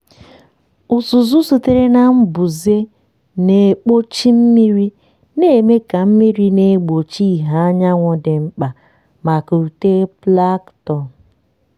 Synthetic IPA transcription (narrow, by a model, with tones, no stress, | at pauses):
ʊ˨su˨zu˦su˨te˦ɾe˦na˦m̩˦bʊ˨ze˦ | ne˨k͡po˦t͡ʃi˦m̩˦mi˦ɾi˦ | ne˦˨me˦ka˨m̩˦mi˦ɾi˦ne˨˦ɡ͡bo˨t͡ʃi˦˨ɦa˨a˦ɲa˦ŋʷɔ˦dɪ˨ŋ͡m̩˦k͡pa˨ | ma˨ku˨u˨te˦pla˦ktɔ˦˨